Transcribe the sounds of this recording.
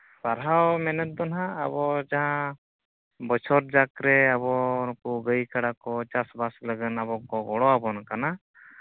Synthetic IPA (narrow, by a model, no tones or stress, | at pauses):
saɾɦawmɛnət̪̚d̪ɔnɦa̰ːbɔd͡ʒaɦã | bɔt͡ʃʰɔɾd͡ʒakɾɛaβɔɾkuɡəjkaɽakɔt͡ʃasbasləɡənabɔkɔɡɔɽɔabɔnakana